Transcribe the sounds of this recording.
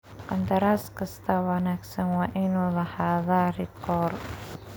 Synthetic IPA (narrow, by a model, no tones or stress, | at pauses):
ʔant̪aɾaskəst̪awanaksəŋwaʔinolahaðaɾikɔr